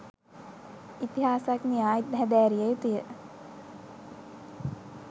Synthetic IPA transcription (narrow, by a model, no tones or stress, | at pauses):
it̪iɦaːsaknijaːit̪ɦɛd̪æːɾijejut̪ijə